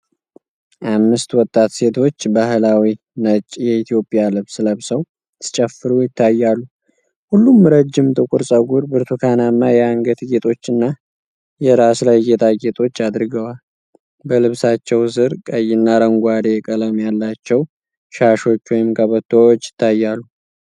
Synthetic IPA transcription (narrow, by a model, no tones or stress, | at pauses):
ʔamːɨst̪wɔt̪ʼːat̪se̞t̪ʰo̞t͡ʃːbahlawi | nət͡ʃʼjɛit̪ʰijo̞pʼjalɨβsləβsəw | sʰɨ̥t͡ʃʼɛfːɨɾujɪt̪ʰːajːalːu | hulːumːɾəd͡ʒːɪmt̪ʼɨkʷʼuɾsʼəɡuɾbɨɾt̪ʰukʰanamːajɛaŋɡət̪ɡet̪ʰʼo̞t͡ʃːɨnːa | jɛɾaslajɡe̞t̪ʰaɡe̞t̪ʰʼo̞t͡ʃːad̪ɾɨɡəwal | bəlɨβsat͡ʃːɛwzɨɾkʼəjːɪnːaɾəŋɡʷad̪ekʼələmjalːat͡ʃːɛw | ʃaʃo̞t͡ʃːwɔjɪmkʼəβət̪ʰːowot͡ʃːjɪ̥t̪ʰːajːalːu